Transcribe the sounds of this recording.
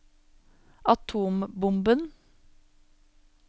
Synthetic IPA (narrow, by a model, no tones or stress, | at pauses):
ʔɑt̪ʰuːmbʊmbən